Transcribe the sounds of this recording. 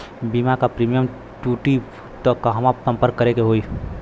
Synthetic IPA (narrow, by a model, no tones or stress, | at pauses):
bimakapɾimijəm | ʈuʈi | t̪ɔkaɦəmasə̃mpəɾk̚kːəɾekeɦoi